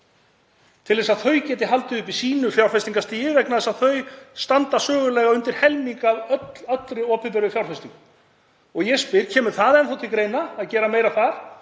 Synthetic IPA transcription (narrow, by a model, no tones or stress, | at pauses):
t̪ʰɪlðɛsaðθœɥcɛːt̪ɪɦalt̪ɪʏpisiːnʏfjawrfɛst̪iŋkast̪iːjɪvɛknaðɛsaðθœɥst̪ant̪asœːɣʏlɛːɣaʏnt̪ɪɾ̥hɛlmiŋkaðœt̪lœt̪lɾɪɔːpɪpʏɾɪfjawrfɛst̪iŋk | ɔɣjɛspɪɾ̥cʰɛːmʏɾ̥θaðɛnθawt̪ʰɪlkɾeːjnaːðcɛːɾameːjɾaθaɾ̥